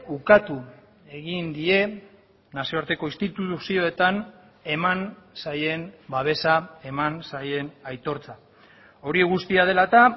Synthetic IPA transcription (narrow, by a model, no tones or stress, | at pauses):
ukat̪u | e̞ɣ̞ind̪ie̞ | nasio̞aɾt̪e̞ko̞ist̪it̪uusio̞e̞t̪an | e̞mansaje̞nbaβ̞e̞sae̞mansaje̞najt̪o̞ɾt͡sa | o̞ɾieɣust̪iað̞e̞lat̪a